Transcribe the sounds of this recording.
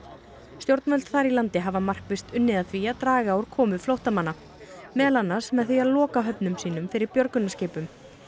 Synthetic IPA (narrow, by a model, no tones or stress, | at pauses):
st̪jowɾt̪nvœlt̪θaɾilant̪ɪɦavamar̥kvɪst̪ʏnːɪðaθviaðt̪ɾaːɣaːwɾ̥kʰɔːmʏflowht̪amanːa | mɛːlanːasmɛðθiaðlɔːkaɦœpnʏmsiːn̪ʏmfɪɾɪɾpjœɾkʏnascɪːpʏm